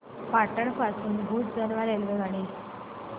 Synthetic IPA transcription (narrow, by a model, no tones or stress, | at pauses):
paʈəɳfasuːnɡʱuːtd͡zəɾʋalelɡəɡaɽ̃i